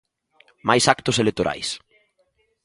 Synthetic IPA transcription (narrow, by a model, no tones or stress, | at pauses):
majsakt̪ʊselek̚t̪oɾʔa̰js